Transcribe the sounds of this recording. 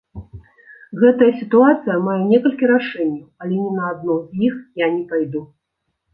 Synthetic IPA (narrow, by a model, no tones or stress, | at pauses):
ɣɛt̪ɐjɐsʲit̪uat̪sɨjɐmajɛnʲɛkɐlʲkʲiɾaʂɛnʲːɐwɐlʲɛnʲɛnɐːd̪nɔzʲjixjanʲɛpajd̪u